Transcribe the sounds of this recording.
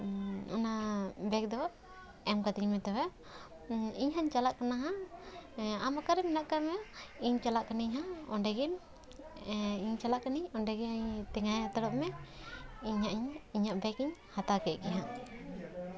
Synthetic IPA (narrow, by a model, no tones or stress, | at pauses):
a̰nabɛk̚d̪ɔ | ɛmkad̪iɲmɛt̪ɔwɛ | iɲɦaɲt͡ʃalaʔkanaɦã | amakaɾɛmɛnaʔkamɛiɲt͡ʃalaʔkaniɲɦaɔɳɖɛɡin | iɲt͡ʃalaʔkaniɲɔɳɖɛɡinaɲt̪ɛŋajat̪ɔɽɔʔmɛ | iɲaʔiɲiɲaʔbɛkiɲhat̪akɛʔkɛɦa